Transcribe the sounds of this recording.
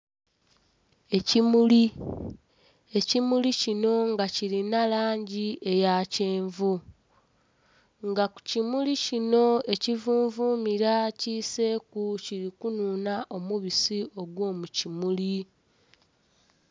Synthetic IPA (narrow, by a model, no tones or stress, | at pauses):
e̞cimuli | e̞cimulicino̞ŋɡaciɾinalaːɲɟie̞jaceːɱvu | ŋɡaku̥cimulicino̞e̞civuːɱvuːmiɾaciːse̞ːkuciɾikunuːnaʔo̞muβisio̞ɡwo̞ːmucimuli